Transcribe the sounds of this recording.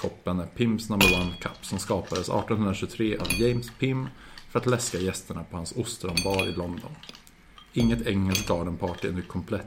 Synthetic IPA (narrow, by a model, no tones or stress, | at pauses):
kʰɔpːənæpʰɪmsnambəɾwankʰa̰pːsɔmskɑːpad̪əsɑ̰ːʈɔnɦɵnɾaɕɵt̪ʰɾeːʔavjɛjmspʰɪmːfœɾat̪lɛskajɛst̪əɳapʰɔhansʊst̪ɾɔmbɑːɾɪlɔnd̪ɔ̰n | ɪŋːət̪ʰɛŋːəlsɡɑːɖənpʰɑːʈɪɛ̰nːəkʰɔmpʰlɛt̪ː